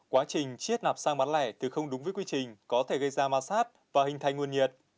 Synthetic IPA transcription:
kwaː˨˦t͡ɕï˨˩ŋ̟t͡ɕi˦˥ət̚na˨˩p̚saː˧ŋɓa˨˦nlɛ̰˧˩t̪ʰi˨˩xə˧wŋ͡mɗʊ˨˦ŋ͡mvəː˨˦kwi˧t͡ɕï˨˩ŋ̟kɔ˨˦t̪ʰe˧˩ɣə˧jzaː˧maː˨˧˩saː˦˥t̚vaː˨˩hï˨˩ŋ̟t̪a˨˩jŋwənɲi˨˩ət̚

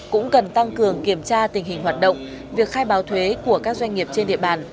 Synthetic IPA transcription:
kʊ̰˧˥ŋ͡mkə˨˩nt̪a˧ŋkɨ˨˩əŋki˧˩əmt͡ɕaː˧t̪ï˨˩ŋ̟ɦï˨˩ŋ̟hwaː˨˩t̚ɗə̰˧˨wŋ͡m | vi˨˩ək̚xaː˧jɓaː˨˦wt̪ʰwe˨˦ku˧˩əkaː˦˥k̚zwa˧jŋ̟ŋi˨˩əp̚t͡ɕe˧nɗḭ˧˨əɓaː˧˨˩n

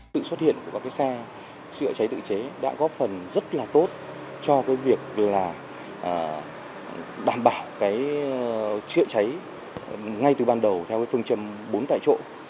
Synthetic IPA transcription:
sɨ̰˧˨swə˦˥t̚hḭ˧˨ənku˧˩kaː˦˥kːaː˨˦jsɛ˧ | t͡ɕɨ̰˧˨ət͡ɕa˨˦jt̪ɨ̰˧˨t͡ɕe˨˦ɗa̰ː˧˥ɣɔ˨˦˥fə˨˩nzə˦˥t̚laː˨˩t̪o˦˥t̚ | t͡ɕɔ˧kaː˨˦jvi˨˩ək̚laː˨˩ | ʔəː˨˩ | ɗaː˨˩mɓaː˧˩wkaː˨˦j | t͡ɕɨ̰˧˨ət͡ɕa˨˦j | ŋa˧jt̪ɨ˨˩ɓaː˧nɗə˨˩wt̪ʰɛ˧wkaː˨˦fɨ˧əŋt͡ɕə˧˩mɓo˨˦nt̪a̰ː˧˨t͡ɕo̰˧˨

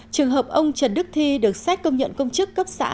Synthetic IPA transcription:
t͡ɕɨ˨˩əŋɦəː˨˩p̚ʔə˧wŋ͡mt͡ɕə˨˩n̚ɗɨ˦˥k̚t̪ʰi˧ɗɨ˨˩ək̚sa˦˥k̟̚kə˧wŋ͡mɲə̰˧˨nkə˧wŋ͡mt͡ɕɨ˦˥kːə˦˥p̚sa̰ː˧˥

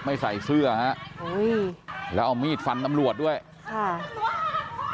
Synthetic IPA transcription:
ma˥˩jsa˨˩jsɯ˥˩ɐha˦˥ʔʔu˦˥jlɛː˦˥ʔa˧wmiː˥˩t̪̚fa˧nt̪a˧mɾu˨˩ət̪̚du˥˩əj | kʰa˥˩

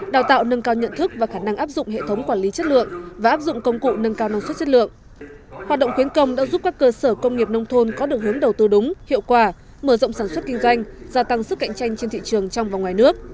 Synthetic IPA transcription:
ɗaː˨˩wt̪a̰ː˧˨wnə˧nkaː˧wɲə̰˧˨nt̪ʰɨ˦˥k̚vaː˨˩xaː˧˩na˧ŋʔaː˦˥p̚zʊ̰˧˨ŋ͡mhḛ˧˨t̪ʰə˨˦wŋ͡mkwaː˧˩nli˨˦t͡ɕə˦˥t̚lɨ̰˧˨əŋvaː˨˩ʔaː˦˥p̚zʊ̰˧˨ŋ͡mkə˧wŋ͡mkṵ˧˨nə˧nkaː˧wna˧nsə˦˥t̚t͡ɕə˦˥t̚lɨ̰˧˨əŋ | hwaː˨˩t̚ɗə̰˧˨ŋ͡mxwi˨˦ənkə˧wŋ͡mɗa̰ː˧˥zu˦˥p̚kaː˦˥kːəː˧səː˧˩kə˧wŋ͡mŋi˨˩əp̚nə˧wŋ͡mt̪ʰo˧nkɔ˨˦ɗɨ˨˩ək̚hɨ˨˦əŋɗə˨˩wt̪ɨ˧ɗʊ˨˦ŋ͡mhḭ˧˨əwkwaː˧˩ | məː˧˩zə̰˧˨wŋ͡msaː˧˩nswə˦˥t̚kï˧ŋ̟zwa˧jŋ̟zaː˧t̪a˧ŋsɨ˦˥k̚ːa̰˧˨jŋ̟t͡ɕa˧jŋ̟t͡ɕe˧nt̪ḭ˧˨t͡ɕɨ˨˩əŋt͡ɕɔ˧wŋ͡mvaː˨˩wŋwaː˨˩jnɨ˦˥ək̚

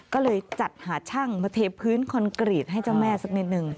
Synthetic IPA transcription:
kɔː˥˩lɤː˧jt͡ɕa˨˩t̪̚haː˩˦t͡ɕʰa˥˩ŋma˧t̪ʰeː˧pʰɯː˦˥nkʰɔ˧nkɾi˨˩t̪̚ɦa˥˩jt͡ɕa˥˩wmɛː˥˩sa˦˥k̚ni˦˥t̪̚nɯ˨˧ŋ

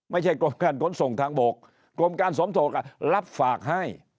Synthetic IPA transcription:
ma˨˦jt͡ɕʰa˧˩jkɔ˧˩mkaː˧˩nkɔ˨˦nso˨˩ŋt̪ʰaː˧ŋɓo˨˩k̚ | kɔ˧˩mkaː˧nsɔ˨˦mt̪ʰo˨˩k̚a˧˩laː˦˥p̚faː˨˩k̚ɦaː˧˩j

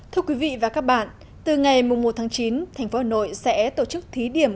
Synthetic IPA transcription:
t̪ʰɨ˧əkwi˨˦vḭ˧˨vaː˨˩kaː˦˥k̚ɓa̰ː˧˨n | t̪ɨ˨˩ŋa˨˩jmʊ˨˩ŋ͡mmo˨˩t̚t̪ʰaː˨˦ŋt͡ɕi˨˦nt̪ʰa˨˩jŋ̟fo˨˦aː˧˩no̰˧˨jsɛ̰˧˥t̪o˧˩t͡ɕɨ˦˥k̚t̪ʰi˨˦ɗi˧˩əm

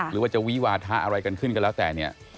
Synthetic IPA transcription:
ɾɯː˨˦waː˥˩t͡ɕa˨wi˦˥waː˧t̪ʰaː˦˥ʔa˧ɾa˧jka˧nkʰɯ˥˩nka˧nlɛː˦˥t̪ɛː˨˩ni˥˩ɐ

